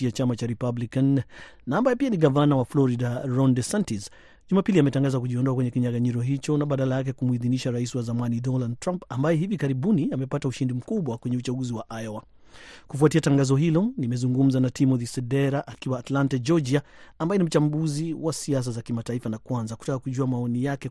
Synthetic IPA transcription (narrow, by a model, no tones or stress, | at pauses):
iat͡ʃamat͡ʃaɾipablikanːaːmbajɛpianiɠavanawaflɔɾidaɾɔndɛsɛntis | ʄumapiliamɛtaŋɡazakuʄiɔndɔakwɛɲɛkiɲaɡaɲiɾɔɦit͡ʃɔnaɓaɗalajak̬ɛkumuiðiniʃaɾaisiwazamanidɔnald̚tɾampambajɛɦivikaɾiɓuniamɛpatauʃindim̩kuɓwakwɛɲɛut͡ʃaɡuziwaʔajɔwa | kufuatiataŋɡazɔɦilɔnimɛzuŋɡum̩zanatimɔðisɛdɛɾaʔakiwaːtlantad͡ʒɔd͡ʒiaambaɛnim̩t͡ʃambuziwasias̬azakimataifanakwanzaku̥takakuʄuamaɔnijakɛ